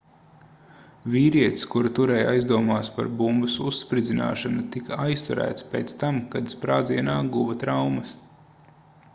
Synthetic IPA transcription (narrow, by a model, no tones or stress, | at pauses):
vʲiːɾiɛt̪skuɾut̪uɾɛjajzd̪uɔmaːspa̰ɾbumbɐsusːpɾid̪zina̰ːʃanut̪ikajst̪uɾæ̰ːt̪spḛːt̪st̪amkad̪spɾaːd̪ziɛnaːɡuvɐt̪ɾawmɐs